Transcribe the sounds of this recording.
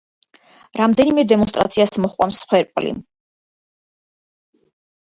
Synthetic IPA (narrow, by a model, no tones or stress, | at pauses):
ɾamd̪ɛnimɛd̪ɛmɔns̬t̪ʼɾa̰t̪sʰiasmɔχqʼwa̰msχwɛɾpʼlḭ